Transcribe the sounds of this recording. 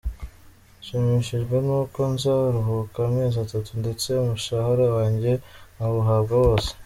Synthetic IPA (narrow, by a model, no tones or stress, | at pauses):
ʃemiʃiʒɡwe̞nuːko̞nzaɾuɦukameːzatatunde̞t͡se̞umuʃahaɾawaːɲɟe̞aβuɦabɡawo̞ːse̥